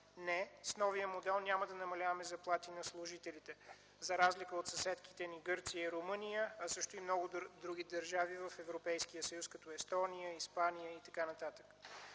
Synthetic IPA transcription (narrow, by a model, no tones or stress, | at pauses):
nɛsnɔvijəmod̪ɛlˠnʲaməd̪ɐnɐmɐlʲavɐmɛzɐplˠat̪inɐslˠʊʒit̪ɛlit̪ɛ | zɐɾazlikəot̪sɐsɛt̪kit̪ɛniɡɤɾt̪sijəiɾomɤnijəɐsɤʃt̪ʊimnɔɡʊd̪ɾuɡ̟ʲid̪əɾʒavivɐfɛvɾopɛjskijəsəjuskɐt̪ɔɛst̪ɔnijəispanijəit̪ɐkanɐt̪at̪ə̥k